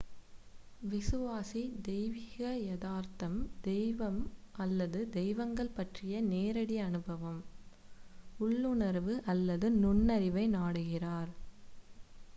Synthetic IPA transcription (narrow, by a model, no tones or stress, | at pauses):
ʋɪsɯʋaːsid̪ɛjʋɪɣɐjɐðaːɾt̪ɐmd̪ɛjʋɐmʔɐlːɐðɯd̪ɛjʋɐŋɡɐɭpɐʈrɪjɐneːɾɐɽiɐnɯbɐʋɐm | ʊɭːɯɳɐɾʋɯʔɐlːɐðɯnʊɳːɐɾɪʋɐɪnaːɽɯɣɪraːɾ